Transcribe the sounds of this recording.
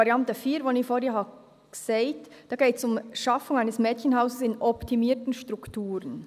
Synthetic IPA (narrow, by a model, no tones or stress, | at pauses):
ɑɾiɑntəfiːɾʋoniːfoːɾheːɦɑ̥ | seɪtd̥ɑːɡeːtsʊmʃɑfʊŋaɪnəsmɛːtçənɦaʊsəsɪnʔɔptʰimiːɾtn̩ʃtɾʊktʰuːɾən